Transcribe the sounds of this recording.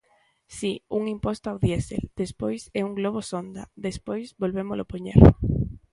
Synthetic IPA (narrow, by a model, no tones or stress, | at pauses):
siuŋimpost̪oawðjesḛld̪̥espojsɛuŋɡloβ̞osond̪a̰ðespojsβolβemolʔopoɲḛɾ